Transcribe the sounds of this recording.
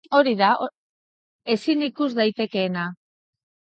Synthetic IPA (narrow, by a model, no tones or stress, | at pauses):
o̞ɾiða | e̞sinikuzd̪ajt̪e̞ke̞ːna